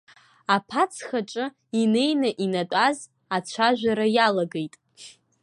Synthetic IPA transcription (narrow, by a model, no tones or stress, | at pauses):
apʰat͡sʰχaʈ͡ʂʼɨ | ine̞jnaʔinatʷʼaz | at͡ɕʷʰaʒᶣʷaɾajalaɡejtʼ